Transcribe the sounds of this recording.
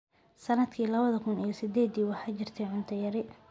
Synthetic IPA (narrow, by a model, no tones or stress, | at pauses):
sɐnɐd̪kʰiːlɐβɐðɐkʰʊnijɔsɪd̪ɛːd̪iːwɑħɑjt͡ʃɪrt̪ʰɛʕʊnt̪ʰɐjɐɾɪ